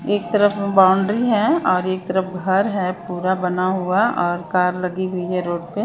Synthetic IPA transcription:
eːk̚t̪ɐɾəfbaːʊɳɖɾiɦɛɔːɾeːk̚t̪ɐɾəfɡʱɐɾɦɛpuːɾabɐnaɦuaɔːɾkaːɾlɐɡiɦʊiɦɛɾoːʈ̚pe

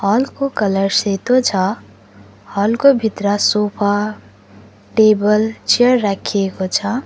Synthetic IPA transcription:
hɔːlkokələɾset̪ot͡ʃʰa | hɔːlkobʱɪt̪ɾasoːpʰa | ʈeːbəlt͡ʃiəɾːakʰiekot͡ʃʰa

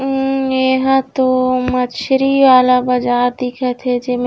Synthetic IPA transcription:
eɦãt̪omət͡ʃʰɾiʋaːlabɐd͡ʒaːd̪ɪkʰet̪ʰed͡ʒem

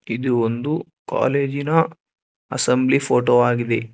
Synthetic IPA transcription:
id̪uond̪u | ka̰ːle̞ːd͡ʒinɐ | ɐsɐmblipʰoːʈoːaːɡid̪e

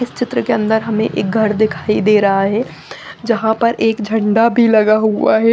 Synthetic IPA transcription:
ɪst͡ʃɪt̪ɾəkeɐ̃nd̪əɾɦɐmẽʔeːk̚ɡʱɐɾd̪ɪkʰaːid̪eːɾɐɦaɦɛː | d͡ʒɐɦãpɐɾʔeːkd͡ʒʱɐ̃ɳɖabʱilɐɡaɦuaɦɛ

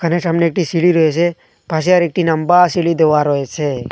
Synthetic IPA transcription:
kənet͡ʃəmneːk̚ʈisiɭiɾɔet͡ʃʰe | pas̬eaɾek̚ʈinəmbasiɭid̪eʋaɾɔet͡ʃʰe

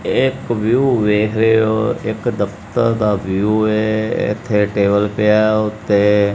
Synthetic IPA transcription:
ɪkʋjuːʋeːkʰɾejoːɪ̰kd̪əft̪əɾd̪aːʋuːeɪ̰t̪ʰːeʈeːbəlpɪjaʊt̪ːe

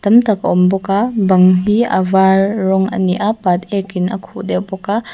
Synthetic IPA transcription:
t̪ɐmtakaɔmbɔkabɐŋɦiɐ̰vaɾːɔŋɐ̰niʔapat̪̚ɛkinɐkʰuʔdɛwbɔka

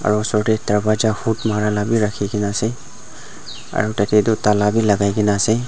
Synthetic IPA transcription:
a̰ɹuɔsɔɹtɛtaɹbad͡ʒahutmaɹalabiɹakʰikinaːsɛ | a̰ɹutatɛdutalabilaɡajkinaːsɛ

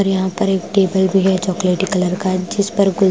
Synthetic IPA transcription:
ɔɾjɐɦãpɐɾeːkʈeːbəlbʱiɦɛt͡ʃɔːkleːʈɪkəlɐɾkaːd͡ʒɪspɐɾɡʊl

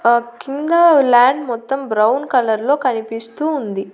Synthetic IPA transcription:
kind̪ɐlaːɳɖmɔt̪ːɐmbɾɐwnkɐlɐɾlo̞ːkɐnipist̪uːnd̪i

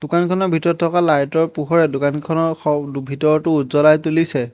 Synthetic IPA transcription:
d̥ʊkankʰɔnɔɹbʱitɔɹɔtʰːɔkalajtɔɹpuɦɔɹɛdʊkankʰɔnɔɔbʱitɔɹɔtʊutzɔlajtulisɛ

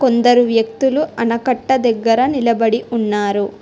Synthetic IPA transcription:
kond̪ɐɾuʋjɐkt̪uluʔɐnɐkɐʈːɐd̪ɐɡːɐɾɐnilɐbɐɽiʔunːaːɾu

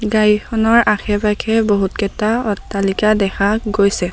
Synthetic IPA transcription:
ɡajixʰɔnɔɹaxʰɛpakʰɛboɦutkɛtaɔtːalikadɛxʰaɡojsɛ

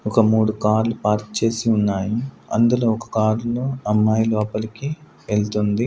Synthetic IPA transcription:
ɔkɐmuːɽukaːɾlupaːɾt̪t͡ʃe̞ːsiunːaːji | ɐ̰nd̪uloːɔkɐ̥kaːɾloɐmːaːjlɔːpɐliki | ʋelt̪und̪i

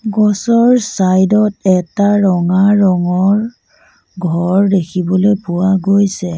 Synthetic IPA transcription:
ɡɔsɔɹsajdɔtɛtaɹɔŋaɹɔŋɔɹ | ɡʱɔɹdekʰibɔlojpʊwaɡojsɛ

